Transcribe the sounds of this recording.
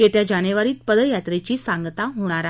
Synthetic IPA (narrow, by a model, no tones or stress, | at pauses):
et̪jad͡ʑanəʋaɾiːt̪̚pəd̪əjat̪ɾet͡ɕiːsaŋɡt̪aɦoɽ̃aɾa